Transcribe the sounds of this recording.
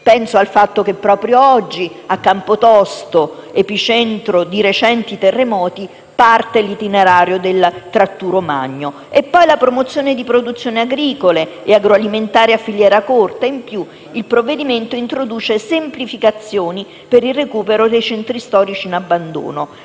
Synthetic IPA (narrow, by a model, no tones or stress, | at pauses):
pɛnsoalfat̪ːok̟epːɾɔːpɾjoɔd͡ʒːiakːampot̪ɔst̪oepit͡ʃɛnt̪ɾod̪iɾet͡ʃɛnt̪it̪erːemɔːt̪i | part̪elit̪ineɾaːɾjod̪elt̪ɾat̪ːuːɾoma̰ɲːo | epːɔjlapɾomot̪sːjoːned̪ipɾod̪ut̪sːjoːneaɡɾiːkoleːaɡɾoaliment̪aːɾeafːiljɛːɾakort̪aimpju | ilpɾovːed̪iment̪oint̪ɾod̪uːt͡ʃesemplifikat̪sːjoːni | peɾirːekuːpeɾod̪ejt͡ʃɛnt̪ɾist̪ɔːɾit͡ʃiːnabːand̪o̰ːno